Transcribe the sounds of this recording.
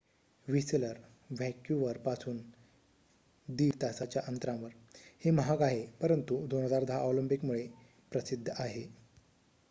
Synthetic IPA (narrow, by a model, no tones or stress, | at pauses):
ʋisləɾ | ʋɛkjuʋəɾpasuːn | d̪iːɾt̪asat͡ɕjaʔənt̪ɾãʋəɾ | heməɦaɡaɦepəɾənt̪ud̪onəd͡zaɾd̪ʱaaoʋləmpikmuɭe | pɾəsid̪ʱːəaɦe